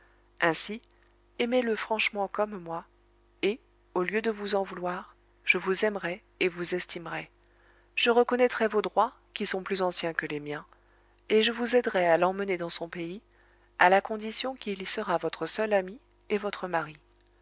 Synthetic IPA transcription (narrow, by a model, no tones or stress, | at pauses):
ɛ̃si | ɛmeləfχɑ̃ʃmɑ̃kɔmmwa | e | oljød̪əvuzɑ̃vulwaʁ | ʒ̥əvuzɛmʁɛ | evuzɛst̪imʁɛ | ʒ̥əʁəkɔnɛt̪χɛvod̪ʁwa | kʲisɔ̃plyzɑ̃sjɛ̃kəlemjɛ̃ | eʒəvuzɛd̪ʁɛalɑ̃məned̪ɑ̃sɔ̃pei | a̰lakɔ̃d̪isjɔ̃kʲilsəʁavɔt̪χəsœlami | evɔt̪χəmaʁi